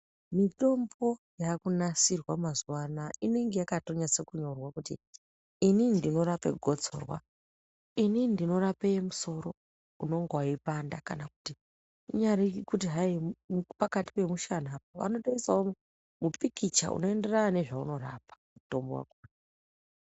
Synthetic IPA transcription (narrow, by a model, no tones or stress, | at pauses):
mito̞mbo̞ | jakunasirwamazwanaʔine̞ŋɡe̞jakato̞ɲase̞kuɲorwakutḭ | inindino̞ɾape̞̰ɡʱo̞t͡soːrwa̰ | inindino̞ɾapejemuso̞ɾo̞ | uno̞ŋɡowaipandakanaku̥ti | ɲaɾikikutiɦaipakati̥pe̞muʃanaːpaʋa̰no̞ɗoisao | mupikit͡ʃa̰ṵno̞e̞nde̞ranane̞ʐauno̞ra̰pḁmuto̞mbo̰wa̰kuna